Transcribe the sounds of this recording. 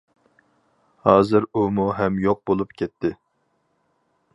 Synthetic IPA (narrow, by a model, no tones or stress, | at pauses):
hɑːzɨɾumuɦɛmjoq̚bolˠupkʲʰɛt̪ʰːɪ